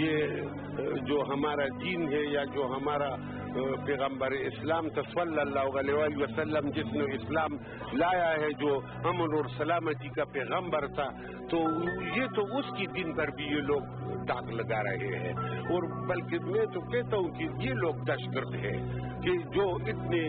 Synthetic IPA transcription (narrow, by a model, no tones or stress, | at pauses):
je | d͡ʒoːɦɐmaːɾad̪iːnɦɛjad͡ʒoːɦɐmaːɾa | pɛːɣə̃mbəɾɛɪslaːmt̪ɐswəlːɐlːaːɦʊɣɐleʋaːliʋɐsɐlːəmd͡ʒɪsneɪslaːm | laːjaɦɛd͡ʒoː | hɐmnɔːɾsɐlaːmət̪ikapɛːɣə̃mbəɾt̪ʰa | t̪ojet̪oʊskid̪ɪnpɐɾbʱijeloːɡ | d̪aːqlɐɡaːɾɐ̰ɦḛɦɛ̰̃ːɔːɾbɐlkemɛ̃t̪okɛɦt̪aɦũkejeloːɡ̚d̪ɐʃkəɾt̪ɦɛ̰̃ː | ked͡ʒoːɪt̪ne